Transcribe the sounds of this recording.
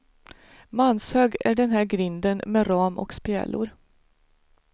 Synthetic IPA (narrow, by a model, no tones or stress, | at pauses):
manshøːɡæ̰ɖɛnɦæːɾɡɾɪnd̪ənmeɾɑːmʔɔ̰kspɛ̰ːlʊ̰ɾ